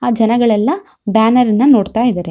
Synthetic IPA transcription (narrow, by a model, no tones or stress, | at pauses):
aːd͡ʒɐnɐɡɐɭɛlːɐ | baːnɐɾinːɐno̞ːɽt̪aːjid̪ɐːɾe